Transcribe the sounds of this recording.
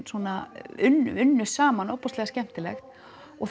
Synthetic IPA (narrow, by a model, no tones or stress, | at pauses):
swɔːnaʏnʏnːʏ̥saːmanɔwpɔslɛɣascɛm̥t̪ɪlɛxt̪ | ɔɣθ